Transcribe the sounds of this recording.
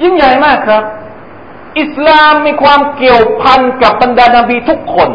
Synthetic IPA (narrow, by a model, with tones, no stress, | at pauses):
ji˥˩ŋja˨˩jmaː˥˩kʰɾa˦˥p̚ | ʔi˨˩slaː˧mːiː˧kʰwaː˧mki˨˩əwpʰa˧nka˨˩p̚ba˧ndaː˧naː˧biː˧t̪ʰu˦˥kʰːo˧n